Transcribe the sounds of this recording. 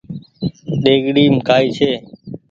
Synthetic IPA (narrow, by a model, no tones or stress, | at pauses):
ɗeːɠɽiːmkaːiːt͡ʃʰeː